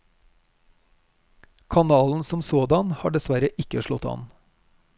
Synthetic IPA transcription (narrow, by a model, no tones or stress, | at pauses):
kʰɑnɑːln̩sɔmsoːd̪ɑnhɑːɖɛsʋæɾəʔɪkəʃɭɔt̪ɑ̰n